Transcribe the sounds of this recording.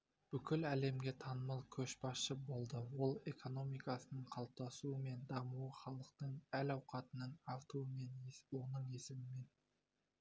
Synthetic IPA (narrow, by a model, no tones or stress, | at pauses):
b̥ʏkʲʰʏlæle̞mɡʲe̞t̪ʰɑnəmɑlˠkʲʰɵʃbɑsʃəbo̞lˠd̪əwo̞lˠe̞kʰo̞no̞mikɑsənəɴqʰɑlˠp̚t̪ɑsuəme̞nd̪ɑmuwəχɑlˠəqt̪əɴælɑwqɑt̪ənəɴɑwt̪uəme̞nwo̞nəɴesɪmɪme̞n